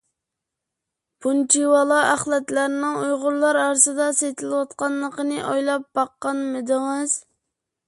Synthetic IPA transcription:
bʰunt͡ʃʰiwɑlˠɑʔæχlˠɛt̪læɾnɪŋujʁʊɾlˠɑɾɑɾsɨd̪ɑset̪ʰɪlɪwɑt̪̚qɑnlˠːəqənɨʔojlˠɑp̚b̥ɑqːɑnmɪd̪ɪŋɨz̥

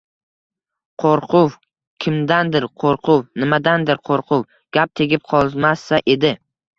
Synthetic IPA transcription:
qʰoɾqʰʊw | kʲʰɪmd̪and̪ɪɾqʰoɾqʰʊwnɪmad̪and̪ɪɾqʰoɾqʰʊw | ɡ̥ʲap̚t̪ʰe̞ɡʲɪp̚qʰɒlˠzmasːaʔe̞d̪ɪ

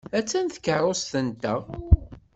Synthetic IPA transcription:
æt͡sːænθə̥kərˤost̪ənt̪ə

